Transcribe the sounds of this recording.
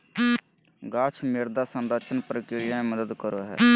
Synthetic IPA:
ɡaːt͡ʃʰmeɾd̪aːsənɾət͡ʃənpɾəkɾɪɾɪjãːẽːməd̪əd̪kəɾoːɦɛ̰ː

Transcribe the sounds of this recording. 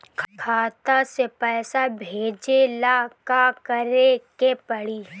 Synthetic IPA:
kʰkʰaːt̪asepɛːsabʱeːd͡ʒelaːkakəɾekepəɽiː

